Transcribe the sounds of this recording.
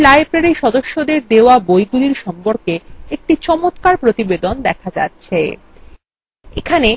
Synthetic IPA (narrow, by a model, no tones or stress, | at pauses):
laepɾeɾiʃɔd̪oʃːod̪eɾd̪eoabojɡuliɾʃɔmpoɾkeek̚ʈit͡ɕɔmot̪kaɾpɾot̪ibed̪ond̪ɛkʰad͡ʑa̰tːɕʰe | ḛkʰane